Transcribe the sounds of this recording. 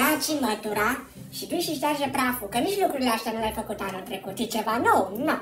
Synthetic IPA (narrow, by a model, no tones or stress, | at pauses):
at͡ʃimət̪uɾa | ʃid̪ujʃiʃt̪arʒepɾafukəniʃlukɾuɾileaʃt̪anulʲajfəkut̪anunt̪ɾekut̪it͡ʃevanowno